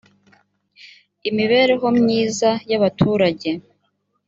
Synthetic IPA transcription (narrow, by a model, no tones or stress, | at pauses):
imiβe̞ːɾe̞ɦo̞mɲiːzajaβatʰuːɾaɟe̞